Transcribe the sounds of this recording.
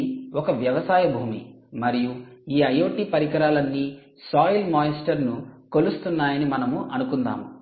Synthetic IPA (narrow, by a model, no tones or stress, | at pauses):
ɔkɐʋjɐʋɐsaːjɐbʱuːmḭ | mɐɾijuiːɐjo̞ːʈipɐɾikɐɾaːlɐnːiː | saːjilmaːjɐsʈɐɾnuko̞lust̪unːaːjɐnimɐnɐmuʔɐnukund̪a̰ːmu